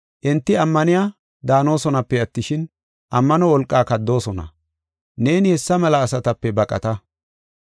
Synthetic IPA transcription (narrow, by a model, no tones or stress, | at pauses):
ʔɪnt̪ːɪɐmːɐnɪja | d̪aːno̞ːsɔnɐpːɛɐt̪ːɪʃɪn | ʔɐmːɐnɔwɔlkʼːaːkɐd̪ːo̞ːsɔnɐ̰ | ne̞ːnɪhɛsːɐmɛlɐːsɐt̪ɐpːɛbɐkʼɐ̰t̪ɐ